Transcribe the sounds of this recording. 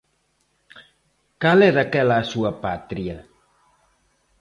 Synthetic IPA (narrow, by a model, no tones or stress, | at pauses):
kalɛðakɛlasuapat̪ɾia